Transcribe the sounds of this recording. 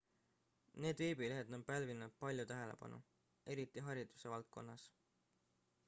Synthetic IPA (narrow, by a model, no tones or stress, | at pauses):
ne̞ːd̪veːbileɦed̪̥ompælvinːud̪̥̚pɑlʲjut̪æɦe̞le̞̰pɑ̰nʔṵ | e̞ɾit̪ːˑiɦɑɾid̪̥u̥se̞vɑlt̪̚ko̞nːɑs